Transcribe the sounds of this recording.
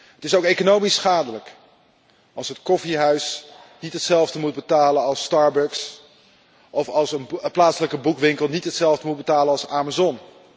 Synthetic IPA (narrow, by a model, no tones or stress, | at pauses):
ɦətɪsowkejkonowmisχaːdələk | ɑlˠsɦətkɔfiɦœɥsnitɦətsɛlˠvdəmud̚bətaːlənɑlˠstɑːɹbœks | ʔɔfɑlˠsənplaːtsələkəbukʋɪŋkəlˠnitɦətsɛlˠvdəmutd̚bətaːlənɑlˠsaːmazɔn